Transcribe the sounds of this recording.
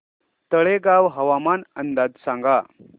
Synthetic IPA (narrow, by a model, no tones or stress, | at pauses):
t̪əɭeɡawɦəʋamanənd̪ad͡zsãŋɡa